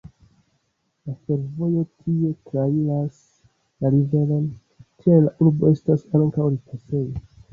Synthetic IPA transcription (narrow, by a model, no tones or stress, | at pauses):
lafe̞ɾvo̞jo̞tʰie̞tɾailas | laɾive̞lo̞n | tielaʔuɾbo̞e̞stasaŋkawɾikʰase̞jo